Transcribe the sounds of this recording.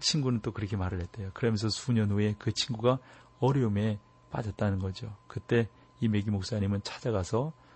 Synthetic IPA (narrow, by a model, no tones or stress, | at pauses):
t͡ɕʰinɡunɯnt͈okɯɾʌkʰe̞maɾɯɭɦet̚t͈ejokɯɾʌmjʌnsʰʌsuɲʌnɦoe̞kɯt͡ɕʰinɡuɡa | ʌɾjʌume̞ | p͈a̰d͡ʑʌt̚t͈anɯnɡʌd͡ʑiokɯt͈e̞ | ime̞ɡimok̚s͈aɲimɯnt͡ɕʰḁd͡ʑaɡasʰʌ